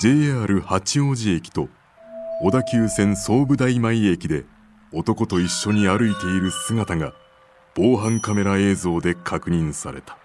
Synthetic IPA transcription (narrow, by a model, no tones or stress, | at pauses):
d͡ʑe̞ːaːɾɯ̟hat͡ɕio̞ʑie̞kʲi̥t̪o̞ː | d̪akʲɨːsẽ̞ñso̞ːbɯ̟d̪aimaie̞kʲid̪e̞ | o̞t̪o̞ko̞t̪o̞iɕːo̞ɲ̟iaɾɯ̟it̪e̞iɾɯ̟sɨɡat̪aŋa | b̥o̞ːɦãŋkame̞ɾae̞ːzo̞ːd̪e̞kʰakɯ̟ɲ̟ĩɰ̃sa̰ɾe̞̰t̪ḁ